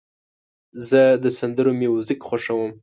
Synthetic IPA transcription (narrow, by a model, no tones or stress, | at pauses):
zəd̪əsand̪əɾomewzikxaʂawəm